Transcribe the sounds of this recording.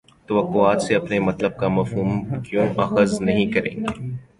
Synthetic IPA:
t̪ɐʋəqːoaːt̪seɐpnemɐt̪ləb̚kamɐfɦuːmkjõːʔɐxəznɐɦĩkɐɾḛ̃ːŋɡḛː

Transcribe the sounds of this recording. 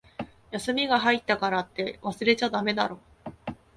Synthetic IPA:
jasɨmʲiɡaɦait̪ːakaɾat̪ːe̞βasɨɾe̞t͡ɕad̪ame̞d̪aɾo̞

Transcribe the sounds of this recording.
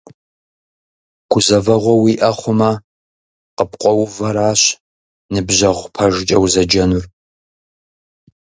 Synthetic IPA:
ɡ̥ʷʊzɐvɐʁʷɔwiːʔɐχʷʊmɐ | qəpqʷʼɔwʊvɐɾaːɕ | nɨbʑɐʁʷpʰɐʒt͡ʃʼɐwzɐd͡ʒɐnur

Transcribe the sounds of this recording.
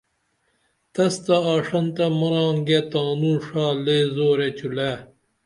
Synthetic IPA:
t̪ɐst̪ɐaːʂɐnt̪ɐmɐɾãːŋɡet̪aːnuːʂaːleːzoːɾet͡ɕʰule

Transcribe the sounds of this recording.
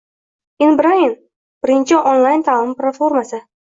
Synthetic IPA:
ɪnbɾajɪn | b̥ɪɾɪnt͡ʃʰɪʔɔnlˠajnt̪ʰalˠɪmplˠat̪foɾmasɪ

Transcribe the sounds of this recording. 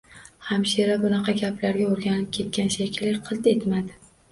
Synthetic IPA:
hamʃeɾabʊnɑqʰɑɡʲapʰlaɾɡʲaoɾɡʲanɪp̚kʲʰe̞t̪̚ɡʲanʃakʲʰɪlːaɾqʰɨlˠt̪et̪mad̪ɪ

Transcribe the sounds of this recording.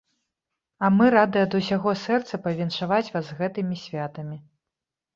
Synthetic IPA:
ɐmɨɾad̪ɨɐd̪usʲaɣɔsɛrt̪sɐpɐvʲɛnʂavat͡sʲvazɣɛt̪ɨmʲisʲvʲat̪ɐmʲi

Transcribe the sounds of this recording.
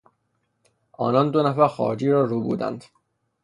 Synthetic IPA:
ʔɒ̰ːnɒnd̪onæfæɾxɒ̰ːd͡ʒiːɾɒːɾuːbṵːd̪æ̰nd̪̥

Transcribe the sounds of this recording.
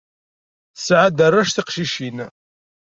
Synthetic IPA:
θsʕad̪ərˤːæʃθiqʃiʃin

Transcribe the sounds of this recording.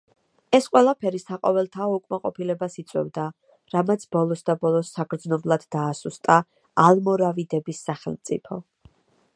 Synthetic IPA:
ɛsqʼwɛlˠapʰɛɾisaqʼɔvɛlˠt̪ʰaɔukʼmaqʼɔpʰilɛbasit̪sʼwɛ̰vd̪a | ɾamat̪sʰb̥ɔlˠɔsd̪abɔlˠɔsːaɡɾd̪znɔblˠad̪̥ːaːsust̪ʼa | alˠmɔɾavid̪ɛbisːaχɛlˠmt̪sʼḭpʰɔ

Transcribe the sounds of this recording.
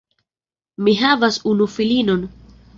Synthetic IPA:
miɦavasunufilinon

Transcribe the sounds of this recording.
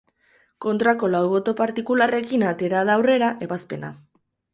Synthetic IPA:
ko̞nt̪ɾako̞lawβo̞t̪o̞paɾt̪ikulare̞kinat̪e̞ɾaðawre̞ɾaʔe̞βaspe̞na̰

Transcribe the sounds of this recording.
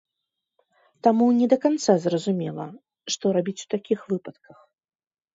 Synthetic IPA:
t̪amunʲɛd̪ɐkant̪sazrɐzumʲɛlˠɐ̰ | ʂt̪ɔɾabʲit͡sʲu̥t̪akʲixvɨpɐt̪kʰɐx

